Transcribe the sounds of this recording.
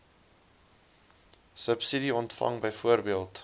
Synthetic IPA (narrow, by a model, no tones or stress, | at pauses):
səpsidiɔntfɐ̰ŋbəjfuərbiəlˠt